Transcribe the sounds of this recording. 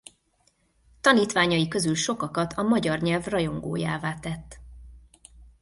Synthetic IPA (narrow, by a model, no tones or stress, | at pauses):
t̪ɒniːt̪ʋaːɲɒjikø̞zylʃo̞kɒkɒt̪ʰɒmɒɟɒrɲɛlvrɒjo̞ŋɡo̰ːja̰ːvaːt̪ɛt̪ː